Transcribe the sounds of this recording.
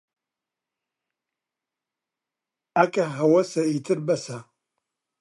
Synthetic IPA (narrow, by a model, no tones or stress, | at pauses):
akʼɐɦɐwɐsɐitʰɨrbɐsa